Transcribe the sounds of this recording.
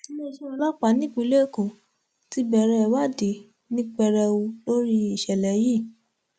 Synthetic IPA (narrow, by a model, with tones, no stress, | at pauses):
i˦le˦˨ʃɔ˦ɔ˧la˦k͡pa˨˦nĩ˦˨k͡pĩ˧˦le˦˨ko˨ | ti˦bɛ˧˨ɾɛ˧wa˦˨de˨ | nĩ˦k͡pɛ˧ɾɛ˧wu˧lo˦ɾi˦i˨ʃɛ˨lɛ˨˦ji˦˨